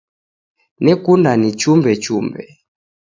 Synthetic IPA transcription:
nɛkundanit͡ʃumbɛt͡ʃumbɛ

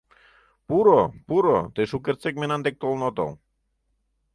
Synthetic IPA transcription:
puɾopuɾo̰t̪eʃuk̬ert͡sek̚menɑnd̪ek̚t̪olnot̪o̰l

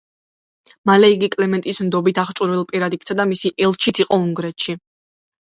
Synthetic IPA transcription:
malɛiɡikʼlɛmɛnt̪ʼismd̪ɔbit̪ʰaχt͡ʃʼuɾvilˠpʼiɾad̪ik̚ʰt̪sʰad̪amisiʔɛlˠt͡ʃʰit̪ʰiqʼɔuŋɡɾɛt̪ʃi

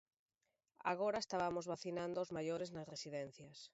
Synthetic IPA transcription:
a̰ɣoɾaest̪aβamozβaθinãnd̪ʊozmajoɾeznɐsresiðɛn̟θjɐs

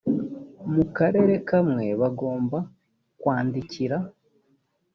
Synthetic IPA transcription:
mukaɾe̞ːɾe̞kamŋe̞βaɡo̞ːmba | kwaːndiciɾa

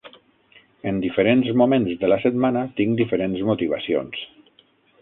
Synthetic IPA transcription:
ənd̪ifəɾenzmumẽnzðələsət̪manət̪iŋd̪ifəɾenzmut̪iβ̞əsio̰ns

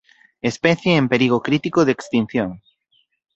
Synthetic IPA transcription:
espɛθjeːmpeɾiɣ̞okɾit̪ikoðekst̪in̟θjoŋ

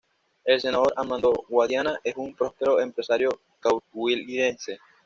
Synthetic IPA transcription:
e̞lse̞naðo̞ɾʔamãnd̪oɣwaðjanaʔesumpɾo̞speɾo̞empɾe̞saɾjo | kawwiliðense̞

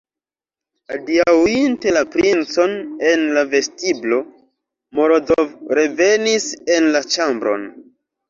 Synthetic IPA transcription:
adiawinte̞lapɾint͡so̞ne̞nlave̞stiblo̞ | mo̞ɾozovɾe̞ve̞nise̞nlat͡ʃambɾo̞̰n

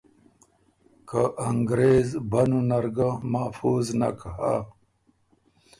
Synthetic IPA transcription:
kʰaʔɐŋɡɾeːzbɐnunɐɾɡamafuːzna̰kaɦa̰

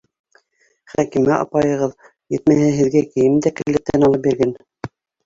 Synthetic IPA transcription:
χækimæʔɑ̰pɑjɤ̆ʁɤð | jɘ̆t̪mæhɘɦɘ̆ðɡækɘ̆jɘmd̪ækɘ̆lːɘp̚t̪ænɑlˠɤp̚biɾɡæn

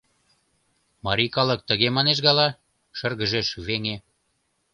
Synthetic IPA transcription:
mɑɾʲikɑlə̆k̚t̪ə̆ɣemɑneʃ̬ɣɑlɑ | ʃərɣə̆ʒeʃyβeŋe

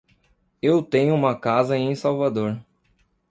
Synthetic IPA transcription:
ewt̪ẽɲʊũmɐkazɐẽj̃sawvad̪oɾ

